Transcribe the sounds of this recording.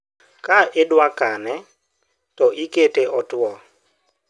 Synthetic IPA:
kaɪdwakanɛ | tɔʔiketeʔɔtʊɔ

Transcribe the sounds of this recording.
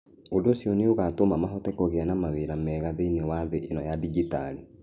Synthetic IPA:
odosjɔneoɣatomamaɦɔtɛkɔɣeanamaweɾamɛːɣaβeinewaβeʔenɔjadiɡitali

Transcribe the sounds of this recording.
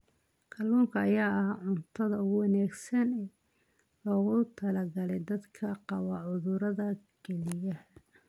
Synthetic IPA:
kʰɐlːuːŋkʰɐːjaːɐhʕʊnt̪ʰɐðɐʊɣʊwɑnaːɡsɐnɛː | lɔːɣʊt̪ʰɐlɐɡɐlɛjd̪ɐd̪kʰɐqɑwɑʕʊðʊɾɐðɐ | ɡ̥ɛlɪjɐh

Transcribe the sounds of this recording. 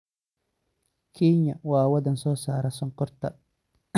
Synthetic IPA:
kʰiɲɐwaːwɐd̪ɐnsɔːsaːɾɐsɔŋkɔrt̪ɐ̰

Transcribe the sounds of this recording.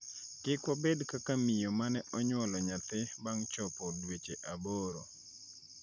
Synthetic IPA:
kɪkwɔbedkakamijomanɛʔɔɲwɔlɔɲat̪ɪbaŋt͡ʃɔpɔdwet͡ʃeʔaboɾo

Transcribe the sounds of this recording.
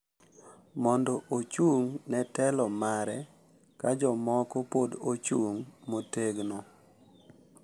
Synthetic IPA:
mɔndɔʔot͡ʃuŋnɛtɛlɔmaɾɛ | kad͡ʒɔmɔkɔpodot͡ʃuŋmoteɡno

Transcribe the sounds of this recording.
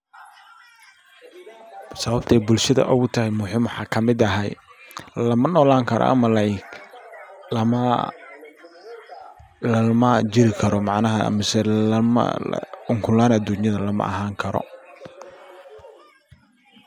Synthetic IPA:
sɐβɐb̚t̪ʰɛjbʊlʃɐðɐ̰ʔʊɣʊt̪ʰɐhɛjmʊħɪmwɑħɑːkʰɐmɪd̪ɐɦɛjlɐmɐnɔːlaːŋkʰɐɾɔ̰ʔɐ̰mɐlɐɪk | lɐmɐ | lɐmɐd͡ʒɪɾɪkʰɐɾɔmɑʕnɐɦɐ̰mɪsɛm̰l̰ʊŋkʰʊlaːnɐd̪unjɐðɐlɐmɐ̰ʔɐ̰ɦaːŋkʰɐɾɔ̰

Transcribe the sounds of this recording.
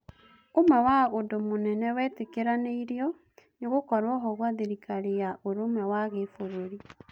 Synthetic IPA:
omwɛwaodomonɛnɛwɛːtekeɾaneiɾjɔ | neɣokɔɾwɔɦɔɣwaðeɾikaɾejaʔoɾomɛwaɣefoɾoɾi

